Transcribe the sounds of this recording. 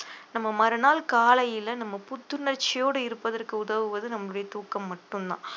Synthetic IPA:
nɐmːɐmɐɾɐnaːlkaːlɐjɪlɐnɐmːɐpʊt̪ːɯnɐrt͡ʃːɪjoːɽɯɪɾɯpːɐðɐrkɯʊðɐʋɯʋɐðɯnɐmːɐɭɯɽɐjɐt̪uːkːɐmːɐʈːɯnd̪ã̰ː

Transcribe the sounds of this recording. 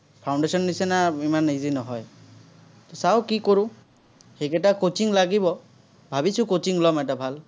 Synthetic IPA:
pʰawɳɖesɔnːisɛnaimanizinɔɦɔj | t̪ɔsawkikoɹʊ̃ | xekɛtakot͡ʃiŋlaɡibɔ | bʱabisʊ̃kot͡ʃiŋlɔmɛt̬abʱal

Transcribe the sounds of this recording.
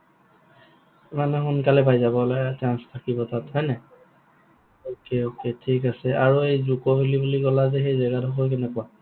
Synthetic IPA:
manɛxunkalɛpajzabɔlɔjat͡ʃanstʰakibɔtathɔjnɛ | okeoketʰikasɛaɹuejzukɔɦilibulikɔlazɛxejzɛɡadʱɔkɔjkɛnɛkɔwa

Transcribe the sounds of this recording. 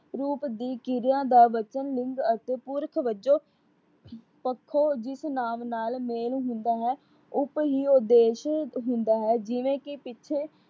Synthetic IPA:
ɾuːpd̪iːkɪɾɪjãːd̪aːʋət͡ʃənlɪŋɡət̪eːpʊɾəkʰʋəd͡ʒoː | pəkʰːoːd͡ʒɪsnaːmnaːlmeːlɦʊ̃nd̪aːɦɛː | ʊpɦiːoːd̪eːʃɦʊ̃nd̪aːɦɛːd͡ʒɪʋẽːkɪpɪtːʃʰeː

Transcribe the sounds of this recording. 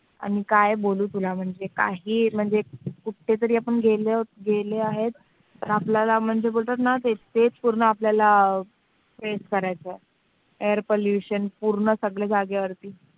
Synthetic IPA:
a̰ñikajboluːt̪ulam̤əɳd͡zeka̰ɦiːm̤əɳd͡zekuʈʰːet̪̬əɾiːapəɳɡʱeleɡʱeleaɦet̪ | t̪ːəɾapljalam̤əɳd͡zebolt̪at̪nat̪et̪et͡spuɾɳəapljala | feskəɾajt͡se | eəɾpoljuɕənpuɾɳəsəɡɭed͡zaɡeʋəɾt̪iː

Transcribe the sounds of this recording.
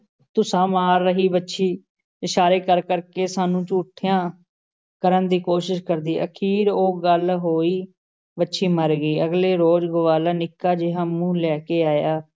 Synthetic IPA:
t̪ʊsãːmaːɾːəɦiːbətːʃʰiː | ɪʃaːɾeːkəɾkəɾkeːsaːnũːt͡ʃuːʈʰːɪjãː | kəɾənd̪iːkoːʃɪʃkəɾd̪iːʔə̰kʰiːɾoːɡəlɦoːiː | bətːʃʰiːməɾɡəiːəɡleːɾoːd͡ʒɡʊʋaːlaːnɪkːaːd͡ʒɪɦãːmũːlɛːkeːaːjaː

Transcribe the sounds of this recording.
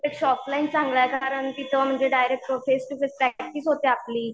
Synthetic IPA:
ekɕɔplaint͡sãŋɡɭəjkaɾəɳt̪it̪ʰəm̤əɳd͡zeɖajɾek̚ʈofesʈufespɾæk̚ʈisɦot̪eapliː

